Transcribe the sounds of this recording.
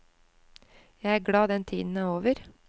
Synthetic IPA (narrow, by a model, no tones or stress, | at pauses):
jæɪæːɡɽɑːd̪ɛnt̪ʰiːd̪n̩æːoːʋəɾ